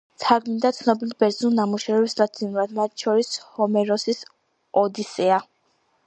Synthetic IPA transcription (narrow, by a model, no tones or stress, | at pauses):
sʰaɡmind̪at̪sʰnɔbilibɛɾzulˠnamuʃɛvɛbsd̪ad̪zinuɾad̪mat̪̚ʰʃʰɔɾishɔmɛɾɔsis | ɔd̪isɛa